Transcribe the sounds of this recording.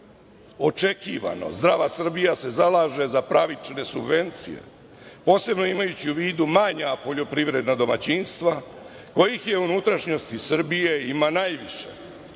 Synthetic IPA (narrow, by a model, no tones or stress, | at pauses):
o̞t͡ʃe̞kiːʋa̰no̞̰zd̪ɾaʋasr̩bijase̞zalaːʒe̞zapɾaʋit͡ʃne̞subʋe̞nt̪sḭje̞̰ | po̞ːse̞bno̞imajut͡ɕiuʋiːd̪umaɲapo̞ʎo̞pɾiʋɾe̞d̪nad̪o̞mat͡ɕinst̪ʋa | ko̞jixje̞unut̪ɾaʃɲo̞st̪isr̩bije̞imanajʋiʃe